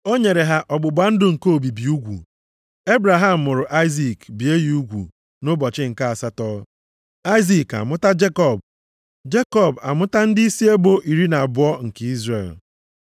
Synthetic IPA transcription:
o˦ɲe˨ɾe˨ɦa˦ʔɔ˨ɡ͡bʊ˨ɡ͡ba˨n̩˦dʊ˦ŋ̩˨ko˦o˨bi˨bi˨u˦ɡʷṵ˨ | e˦bɾa˨ɦa˨m̩ː˨ʊ˨ɾʊ˨ʔa˦ɪ˦zi˨kbi˨e˦ji˨u˦ɡʷṵ˨ | nʊ˦bɔ˨t͡ʃɪ˦ŋ̩˨ka˦a˨sa˦tɔː˦ | a˦ɪ˦zi˨ka̰˨mʊ˦ta˦d͡ʒe˦kɔ˦˨b | d͡ʒe˦kɔ˦˨ba̰˨mʊ˦ta˦n̩˦dɪ˦i˦si˦e˦bo˦ʔi˨ɾi˦na˨bʊ˨˦ɔ˦ŋ̩˨ke˦i˦zrḛ˨l

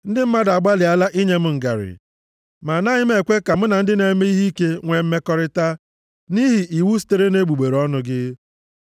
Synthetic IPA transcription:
n̩˦dɪ˦m̩˦ma˦da˨ɡ͡ba˦lɪ˨a˦la˦ʔi˦ɲe˦m̩˦ŋ̩˨ɡa̰˨ɾɪ̰˨ | ma˨na˦ɲɪ˦m̩˦e˨kʷe˦ka˨m̩˦na˨n̩˦dɪ˦ne˨˦me˦i˦ɦi˦ke˦ŋʷe˨m̩˦me˦kɔ˦ɾɪ˦ta˦ | ni˦ɦi˨ʔi˨wu˦s̬i̥˦te˦ɾe˦ne˦ɡ͡bu˨ɡ͡be˨ɾɔ˦nʊ˦ɡɪ˦

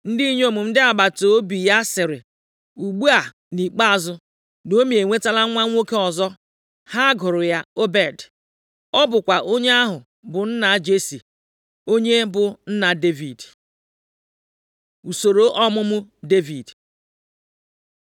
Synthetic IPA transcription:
n̩˦di˦i˦ɲ˦o˦˨mʊ˨m̩˦dɪ˦a˨ba˨to˨˦bi˨ja˦sɪ˨ɾɪ˨ | u˨ɡ͡bu˦a˨ | ni˨k͡pa˦a˨zʊ˦ | no˦me˨e˨ŋʷe˦ta˦la˦ŋʷa˦ŋʷo˦ke˦ɔ˨zɔ˦ | ha˦ɡʊ˨ɾʊ˨ja˦o˦be˨d | ɔ˦bʊ˨kʷa˨ʔo˦ɲe˦a˦ɦʊ˨ | bʊ˨n̩˦na˨˦d͡ʒe˦si˨ | o˦ɲe˦bʊ˨n̩˦na˨de˦vi˨d | u˨so˨ɾo˨ʔɔ˦mʊ˦mʊ˦de˦vi˨d

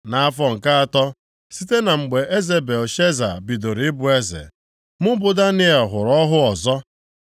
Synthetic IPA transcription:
na˨a˦fɔ˦ŋ̩˨ka˦a˨tɔ˦ | si˦te˦na˨ŋ͡m̩˨ɡ͡be˨ʔe˦ze˨be˨lʃe˦za̰˨bi˨do˨ɾɪ˦bʊ˨e˦zḛ˨ | mʊ˦bʊ˨da˦nɪ˦e˨lɦʊ˨ɾɔ˦ɦʊ˦ɔ˨zɔ˦

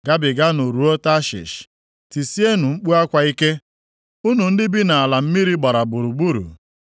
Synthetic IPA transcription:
ɡa˦bɪ˨ɡa˦no˨ɾu˨o˦ta˦ʃɪ̰˨ʃ | ti˨si˦e˦nu˨ŋ͡m̩˦k͡pu˦a˦kʷa˨i˦ke˦ | u˦nu˨n̩˦dɪ˦bɪ˦na˨a˨la˨m̩˦mi˦ɾi˦ɡ͡ba˨ɾa˨bu˨ɾu˨ɡ͡bu˦ɾṵ˨

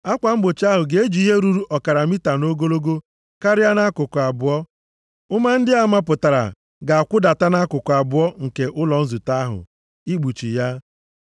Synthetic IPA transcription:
a˦kʷa˨m̩˦ɡ͡bo˨t͡ʃa˦ɦʊ˨ɡe˨e˦d͡ʒi˨˦i˦ɦe˦ɾu˦ɾu˦ʔɔ˨ka˨ɾa˨mi˦ta˨no˦ɡo˦lo˦ɡo˦ | ka˦ɾɪ˦a˦na˦kʊ˨kʊ˨a˨bʊ˨ɔ˦ | ʊ˦ma˦n̩˦dɪ˦a˨ma˦p̬ʊ˨ta˨ɾa̰˨ | ɡa˨a˨kʷʊ˦da˨ta˦na˦kʊ˨kʊ˨a˨bʊ˨ɔ˦ŋ̩˨ke˨ʔʊ˦lɔ˨n̩˦zu˨ta˦a˦ɦʊ̰˨ | i˦ɡ͡bu˨t͡ʃḭ˨ja˦

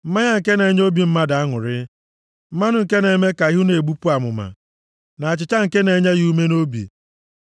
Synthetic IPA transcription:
m̩˦ma˦ɲa˦ŋ̩˨ke˦ne˨˦ɲ˦o˦bi˨m̩˦ma˦da˨a˦ŋʊ̰˨ɾɪ˦ | m̩˦ma˦nʊ˦ŋ̩˨ke˦ne˨˦me˦ka˨i˦ɦu˦ne˨ɡ͡bu˦pu˦a˨mʊ̰˨ma̰˨ | na˨a˨t͡ʃɪ˨t͡ʃa˦ŋ̩˨ke˦ne˨˦ɲa˦ɣu˦me˦no˦bḭ˨

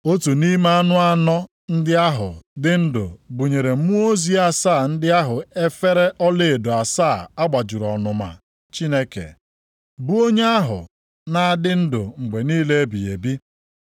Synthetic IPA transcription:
o˦tu˨ni˦ma˦a˦nʊ˦a˦nɔ˦ | n̩˦dɪ˦a˦ɦʊ̰˨dɪ˦n̩˦dʊ̰˨bʊ˨ɲe˨ɾe˨˦mu˦o˦zi˨a˦saː˦˨n̩˦dɪ˦a˦ɦʊ˨e˦fe˦ɾe˦ʔɔ˦le˨do˨a˨saː˦˨a˦ɡ͡ba˨d͡ʒʊ˨ɾɔ˨nʊ˨ma̰˨ | t͡ʃi˦ne˦kḛ˨ | bu˦o˦ɲe˦a˦ɦʊ̰˨ | na˨a˦˨dɪ˦n̩˦dʊ˨ŋ͡m̩˨ɡ͡be˨niː˦le˦e˦bi˨jḛ˨bi˦

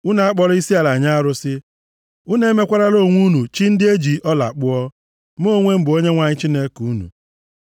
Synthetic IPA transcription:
u˦na˨a˦k͡pɔ˦ɾɔ˦i˦si˦a˨la˨ɲa˦ɾʊ˦sɪ˦ | u˦ne˦me˦kʷa˦ɾa˦lo˦˨ŋʷu˦nu˨t͡ʃi˦n̩˦dɪ˦e˦d͡ʒi˨ʔɔ˦la̰˨k͡pʊ˦ɔ˦ | m˦o˦ŋʷe˦m̩˦bʊ˨o˦ɲe˦ŋʷa˨ɲɪ˦t͡ʃi˦ne˦ku˨˦nṵ˨

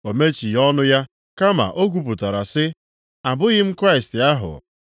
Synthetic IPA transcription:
o˨me˦t͡ʃi˨jɔ˦nʊ˦ja˦ | ka˦ma̰˨ʔo˦k̬u˨p̬ʊ˨ta˨ɾa˨sɪ˦ | a˨bʊ˦ɣɪ˦m̩˦kɾa˦i˨stɪ˨a˦ɦʊ̰˨

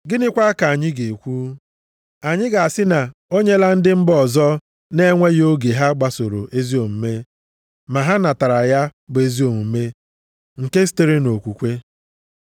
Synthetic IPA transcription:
ɡɪ˦nɪ˦kʷa˦ka˨a˨ɲɪ˦ɡe˨kʷu˦ | a˨ɲɪ˦ɡa˨a˨sɪ˦na˨o˦ɲe˦la˦n̩˦dɪ˦m̩˦bɔ˨zɔ˦ | ne˦ŋʷe˦jo˦ɡe˨ɦa˦ɡ͡ba˨so˨ɾo˨ʔe˦zi˦o˨m̩˨me˦ | ma˨ɦa˦na˨ta˨ɾa˨ja˦ɡ͡be˨zi˦o˨mu˨˦me˦ | ŋ̩˨ke˦si̥˦te˦ɾe˦no˨kʷu˨kʷe˦

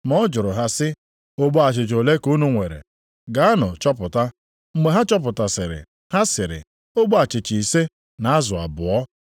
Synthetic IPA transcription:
mɔ˦d͡ʒʊ˨ɾʊ˨ɦa˦sɪ˦ | o˦ɡ͡bo˦a˨t͡ʃɪ˨t͡ʃo˨le˦ku˦nu˦ŋʷe˨ɾḛ˨ | ɡa˨˦a˦nʊ˨t͡ʃɔ˦pʊ˨ta˦ | ŋ͡m̩˦ɡ͡be˨ɦa˦t͡ʃɔ˦p̬ʊ˨ta˨sɪ˨ɾɪ̰˨ | ha˦sɪ˨ɾɪ̰˨ | o˦ɡ͡bo˦a˨t͡ʃɪ˨t͡ʃi˨i˨se˦ | na˨a˦zʊ˨a̰˨bʊ˨ɔ˦

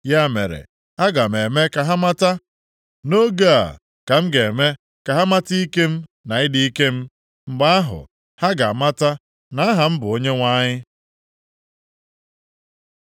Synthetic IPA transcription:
ja˦˨mḛ˨ɾḛ˨ | a˦ɡa˨me˨me˦ka˨ɦa˦ma˦ta˦ | no˦ɡa˦a̰˨ | ka˨m̩˦ɡe˨me˦ | ka˨ɦa˦ma˦ti˦i˦ke˦m̩˦na˨ɪ˦di˦i˦ke˦m̩˦ | ŋ͡m̩˨ɡ͡ba˦a˦ɦʊ̰˨ | ha˦ɡa˨ma˦ta˦ | na˦a˦ɦa˨m̩˦bʊ˨o˦ɲe˦ŋʷa˦ɲɪ˦

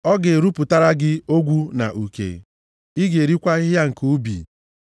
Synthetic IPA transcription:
ɔ˦ɡɪ˨ɾu˦pʊ˨ta˦ɾa˦ɡɪ˦o˦ɡʷu˦na̰˨ʔu˨kḛ˨ | i˦ɡe˨ɾi˦kʷa˦i˦ɦja˦ŋ̩˨ku˦bḭ˨

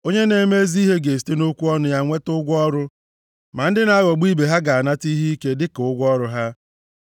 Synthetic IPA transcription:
o˦ɲe˦ne˨˦me˦zi˦ɦe˦ɡe˨s̬i̥˨te˦no˦kʷu˦ɔ˦nʊ˨ja˦ŋʷe˦tʊ˦ɡʷɔ˦ɾʊ˦ | ma˨n̩˦dɪ˦na˦a˦ɣɔ˨ɡ͡bi˦be˨ɦa˦ɡa˨a˨na˦ti˦ɦi˦i˦ke˦dɪ˦kʊ˦ɡʷɔ˦ɾʊ˨ɦa˦

